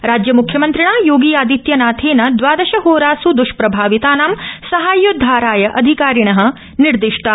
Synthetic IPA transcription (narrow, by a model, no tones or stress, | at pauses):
ɾaːd͡ʒjɐmukʰjɐmɐnt̪ɾiɳaːjoːɡijaːd̪it̪jɐnaːt̪ʰeːnɐd̪ʋaːd̪ɐʃɐɦoːɾaːsud̪uʃpɾɐbʱaːʋit̪aːnaːmsɐɦaːjːud̪ʱːaːɾaːjɐʔɐd̪ʱikaːɾiɳɐɦɐ̆ | niɾd̪iʂʈɐ